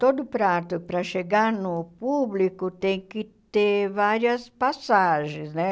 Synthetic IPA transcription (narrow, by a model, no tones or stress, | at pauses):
t̪od̪ʊpɾat̪ʊpɾɐʃeɡaɾnʊpublikʊt̪ẽj̃kɪt̪eɾvaɾjɐspasaʒẽsnɛ